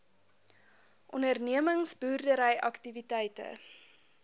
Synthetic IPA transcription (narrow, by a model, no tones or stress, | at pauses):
ʔɔnərniəməŋsbuːrdəɾəjɐktivitɛjtə̰